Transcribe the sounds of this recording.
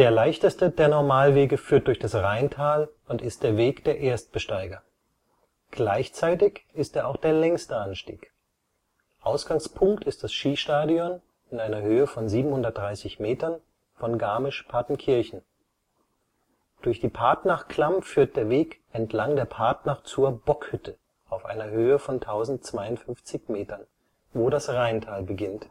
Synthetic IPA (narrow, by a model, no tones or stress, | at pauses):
d̥eːɐlaɪçtəstədeːɐnɔɐmaːlveːɡəfyːɐt̚d̥ʊɐçd̥asʁaɪntʰaːlʊntɪst̚d̥eːɐveːkd̥eːɐʔeːɐst̚b̥əʃtaɪɡɐ | ɡ̥laɪçt͡saɪtɪçɪsteːɐʔaʊxd̥eːɐlɛŋstəʔanʃtḭːk | ʔaʊsɡ̥aŋspʰʊŋktʰɪst̚d̥asʃiːʃtaːdiɔn | ɪnʔaɪnɐhøːəfɔnziːbm̩hʊndɐt̚d̥ʁaɪsɪçmeːtɐn | fɔnɡaːmɪʃpʰaɐtn̩kʰɪɐçn̩ | d̥ʊɐçd̥iːpʰaɐtnaχkl̥amfyːɐt̚d̥eːɐveːkʔɛntʰlaŋdeːɐpʰaɐtnaχt͡suːɐbɔkhʏtʰə | ʔaʊfʔa̰ɪnɐhøːəfɔntʰaʊzn̩tt͡sv̥aɪʊntfʏnft͡sɪçmeːtɐn | voːɾasʁaɪntʰaːlbəɡɪnt